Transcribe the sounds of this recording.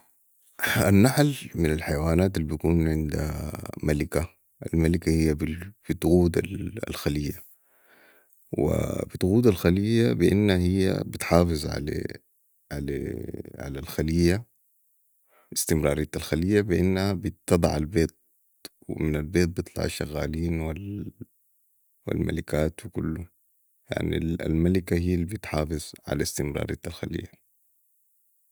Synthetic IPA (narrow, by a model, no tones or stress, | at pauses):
ʔanːaħlmɪnalħajawaːnaːt̪alːibikuːnʕɪnd̪a̰malika | ʔa̰lmalikahijːabb̥ɪt̪ɣuːd̪a̰la̰lxalijːa | wḭb̥ɪt̪ɣuːd̪alxalijabɪʔɪ̰nːahahijːa̰bɪt̪ħɑːfɨzˤʕa̰la̰ | ʕa̰la̰ʕa̰lalxalijːa | ɪst̪ɪmɾˤɑːɾˤiːt̪alxalijːabɪʔɪnːahabɪt̪ːɨd̪ˤɑʕalbeːt̪̚ | wɪ̰mɪnalbeːt̪̚bɨt̪ˤlɑ̰ʕa̰ʃːa̰ɣːaːliːnwal | wḭlma̰likaːt̪wikulːu | ja̰ʕnḭla̰lmalikahijːlbit̪ħɑːfɪzˤʕa̰last̪ɪmɾˤɑ̰ːɾˤḭːt̪alxalḭjːa